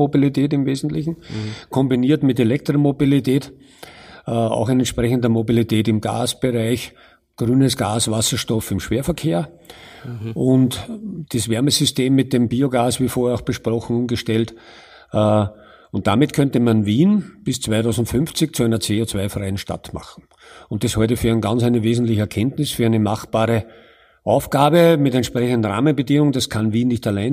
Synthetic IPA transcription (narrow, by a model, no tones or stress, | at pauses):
obilitʰɛːtɪmveːzn̩tlɪçn̩kʰɔ̃mbiniːɐtmɪtelɛk̚tʁomobilitʰɛːt | a̰ʊxɪnɛntʃpʁɛçəndɐmobilitʰɛːtɪmɡ̥a̰ːsb̥əʁaɪç | ɡ̥ʁyːnəsɡ̥aːsvasɐʃtɔfɪmʃv̥eːɐfɐkʰeːɐ | ʔʊntd̥isvɛɐməsʏsteːmːɪt̚d̥embiːoɡaːsv̥iːfoɐɐaʊxb̥əʃpʁɔxn̩ʊmɡəʃtɛltː | ʊnt̚d̥amɪtkʰœntəmanviːnb̥ɪst͡sv̥aɪtʰɑʊzn̩tfʏnft͡sɪçt͡suæɪnɐt͡seːot͡svæɪfʁaɪənʃta̰tma̰χn̩ | ʊnt̚d̥ashɔɪt̬əfyːɐɛɪnɡãnt͡sæɪnəveːzn̩tlɪçəɛɐkʰɛntnɪsfyːɐæɪnəmaxb̥aːʁə | ʔaʊfɡ̥aːbəmɪtɛntʃpʁɛçəndn̩ʁa̰ːmənbədiŋʊŋd̥askʰanviːnːɪçtalæɪn